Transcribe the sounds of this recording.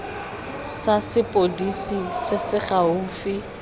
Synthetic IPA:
sasɪpʼodisisɪsɪχaʊfɪ

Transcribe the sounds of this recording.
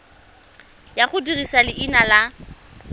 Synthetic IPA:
jaχʊdirisalɪʔinala

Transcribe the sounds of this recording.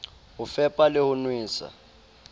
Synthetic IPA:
ufɛpʼalɪhunwiːsa̰

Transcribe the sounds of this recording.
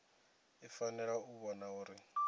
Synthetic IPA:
ifanɛɺauβɔnauːɾi

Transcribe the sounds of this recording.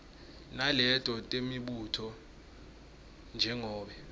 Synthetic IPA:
nalɛtʼɔtʼemiɓutʰɔ | nd͡ʒʱɛŋɔːɓɛ

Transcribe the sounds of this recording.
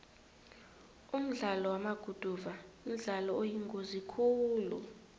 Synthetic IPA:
um̩ɮalɔwamaɡ̥ʱud̥ʱuvaum̩ɮalɔojiŋɡʱozikʰuːlṵ

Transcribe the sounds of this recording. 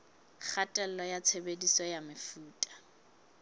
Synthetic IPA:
χatʼɛl̩lɔjat͡sʰebedisɔjamɪfuːtʼḁ

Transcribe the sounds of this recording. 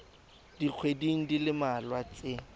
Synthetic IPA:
d̥iq͡χʰwediŋ̩dilɪmalwat͡sʼɪ

